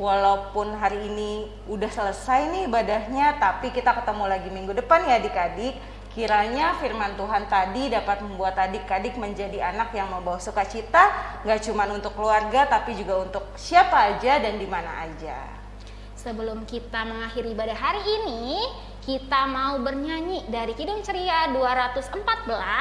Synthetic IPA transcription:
walaupʊnɦaɾiːni | udahsələsajniːbadahɲat̪apikit̪akət̪əmulaɡimiŋɡudəpanjadikadɪkː | iɾaɲafirmant̪uɦant̪adidapat̪̚məmbuat̪adɪkːadɪk̚məɲd͡ʒadianakjaŋməmbawahsukat͡ʃit̪aŋɡaʔt͡ʃumanunt̪ʊkːəluarɡat̪apid͡ʒuɡaunt̪ʊk̚siapaːd͡ʒadandimana̰ʔad͡ʒa̰ | səbəlʊmkit̪aməŋahiɾibadaɦaɾiːni | kit̪amaubərɲaɲidaɾikidʊŋt͡ʃəɾiaduaɾat̪ʊsəmpat̪̚bəla

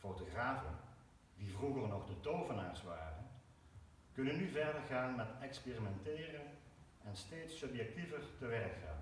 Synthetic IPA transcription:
fowtoχraːvə̰n | divruɣərnɔχdətowvənaːɹsʋaːrən | kɵnənyvɛɹdəɹɣaːnmɛtɛkspeːrimɛntɪːrən | ɛnsteːtsɵpjɛk̚tivərtəʋɛrkxa̰ːn

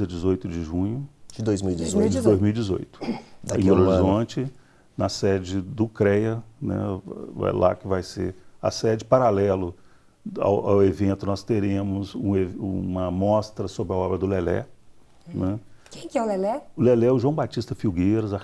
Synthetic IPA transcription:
ɐd͡ʒɪzojt̪ʊd͡ʒɪʒũɲʊd͡ʒɪd̪ojzmiwid͡ʒɪzoɪd̪ojzmiwid͡ʒɪzo̰jt̪ʊ̥d̪aẽoloɾlɾizõt͡ʃɪ | nɐsɛd͡ʒɪd̪ʊkɾɛjɐnɛ̰ɛ̰jla̰kɪvajsḛɾɐ̰sɛd͡ʒɪpaɾalɛlʊ | a̰wʔa̰wevẽnt̪ʊnɔst̪eɾẽmʊzũeũmɐmɔst̪ɾɐsobɾɪɐɔbɾɐd̪ʊlɛlɛ̰ | nɛkẽj̃kɪɛʊlɛlɛʊlelɛʊʒuwɐ̃w̃bat͡ʃist̪ɐfiwɡeɾɐza

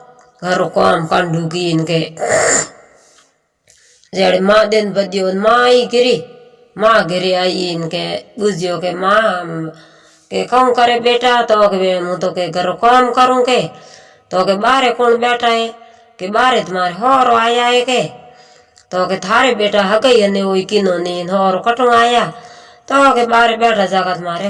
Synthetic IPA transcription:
ɡʱəɾokaːmkəɳɖuːk̬inke | d͡ʒeːɽemãːɗ̪enbəd̪jonmãːiɡɪɾi | mãːɡɪɾiainkeɓud͡ʒjoːkemaː | kekəũkəɾeɓeːʈaːt̪oːkeemũt̪oːkeɡʱəɾokaːmkəɾũːke | t̪okeɓaːɾekunɓeːʈae | keɓaːɾet̪maɾeɦɔːɾoajajeke | t̪oket̪ʰaɾeɓeʈaɦaɡajaneoikinoninhɔːɾokɐʈuŋaja | t̪okeɓaːɾebeːʈad͡ʒakat̪maːɾe

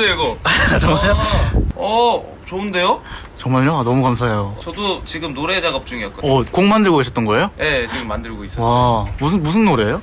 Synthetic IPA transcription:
eɡod͡ʑʌmaoʌ | t͡ɕoɯnde̞jo | t͡ɕʌŋmaɭjoanʌmukamsʰaejot͡ɕʌdot͡ɕiɡɯmnoɾe̞d͡ʑaɡʌp̚t͡ɕ͈uŋiʌt̚koʌkoŋmandɯɭɡoɡeɕʰʌt͈ʌnɡʌe̞joje̞t͡ɕiɡɯmːandɯɭɡois͈ʌwamusʰɯnmusʰɯnːoɾe̞jo

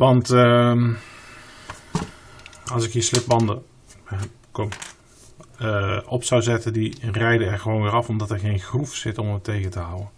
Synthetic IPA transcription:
ʋɑntə | ɑlˠsɪkɦiːɹslɪp̚bɑndə | kom | ʔɔpsawzɛtəndirɛjdəɛɹχəʋownʋɪːrɑfɔmdɑtɛɹɣejnxrufsɪtɔmətejɣətəɦʌwən

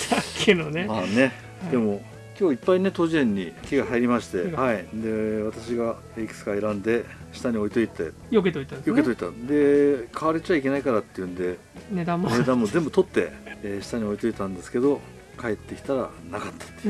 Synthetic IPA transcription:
akʰenoneane̞ | d̪e̞mo̞ | kʲo̞ːipːaine̞t̪o̞ʑiẽ̞ɲ̟ːikʲiɡahaiɾʲimaɕi̥t̪e̞haid̪e̞βat̪aɕiɡa | ekɯ̥sɨ̥kaeɾãnd̪e̞ɕi̥t̪aɲ̟io̞it̪o̞it̪ːḛ | joket̪oit̪ajoke̞t̪o̞it̪ːad̪e̞kʰaβaɾet͡ɕiaikʲe̞naikaɾat̪ːe̞jɯ̟̃nd̪e̞ | ned̪ãmoɾed̪amːo̞zẽ̞mbɯ̟t̪o̞t̪ːe̞̰ːɕi̥t̪aɲ̟io̞it̪o̞it̪ãnd̪e̞sɨ̥ke̞d̪o̞ | kae̞t̪ːe̞kʲi̥t̪aɾa̰nakat̪ːḁt̪ːe

